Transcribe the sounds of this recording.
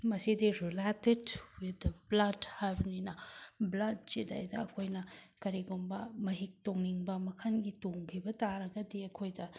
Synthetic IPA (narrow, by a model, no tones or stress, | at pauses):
mɐsidiɾiletedwid̪blɐdhajbɐninɐblɐd̚t͡ʃeda̰jdɐːkʰojnɐkɐɾiɡumbɐmɐɦik̚toŋniŋbɐmɐkʰɐnɡitoŋkʰibɐtaɾɐɡɐdiɐkʰojdɐ